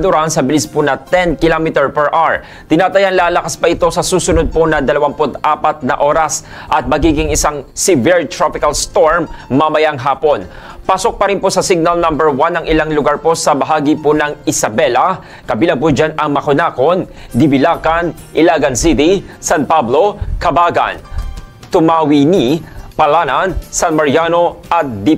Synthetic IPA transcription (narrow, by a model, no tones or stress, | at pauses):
d̪ʊɾansɐbɪlɪsponɐt̪ɛnkɪlomɪt̪ɛɹpɛɹʔaɹ | t̪ɪnaːt̪ɐjanlaːlɐkaspɐʔɪt̪o̞sɐsuːsʊnod̪̚ponɐd̪ɐlɐwampʊt̪aːpɐt̪̚nɐʔoːɾɐs | ʔɐt̪̚mɐɡiɡɪŋɪsaŋsɪvɪɹt̪ɾopɪkɐlst̪oɹmːɐmɐjaŋɦaːpo̞n | paːsok̚pɐɾɪnposɐsɪɡ̚nɐlnɐmbɛɹwanɐŋʔɪlaŋlʊɡaɹpo̞sɐbɐɦaːɡiponɐŋɪsɐbɛlɐ | kɐbiːlɐŋpʊd͡ʒanɐŋmɐkʊnaːko̞n | d̪ɪbɪlaːkɐn | ʔɪlaːɡɐnsit̪isanpablo̞kɐbaːɡɐ̰n | t̪ʊmaːwinipɐlaːnɐnsanmɐɹjaːno̞ʔɐt̪̚d̪i